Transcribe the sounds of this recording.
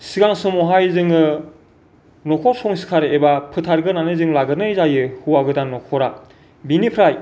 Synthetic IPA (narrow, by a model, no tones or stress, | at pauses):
siɡaŋsumɔɦajzɯŋɯ | nɔkʰɔɾsɔŋsi̥kʰaɾebapʰɯtʰaɾɡɯnanɯzɯŋlaɡɯnɯjzajɯhɯwaɡɯdanːɔkʰɔɾa | binipʰɾaj